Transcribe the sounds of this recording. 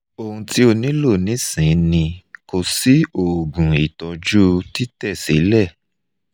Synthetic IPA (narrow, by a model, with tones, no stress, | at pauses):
o˧hũ˧ti˦o˧nĩ˦lo˦˨nĩ˨˦sĩ˨˦nĩ˧ko˧si˦o˨ɡũ˨i˨tɔ˧d͡ʒu˦ti˦tɛ˦˨si˨˦lɛ˦˨